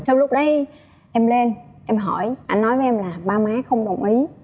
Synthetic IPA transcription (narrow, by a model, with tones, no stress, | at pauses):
t͡ɕɔ˧wŋ͡mlʊ˦˥k͡p̚ɗə˨˦j | ʔɛ˧mle˧nʔɛ˧mɦɔ˧˩jʔa˧nːɔ˨˦jve˨˦ʔɛ˧mlaː˨˩ɓaː˧maː˨˦xə˧wŋ͡mɗə˨˩wŋ͡mʔi˨˦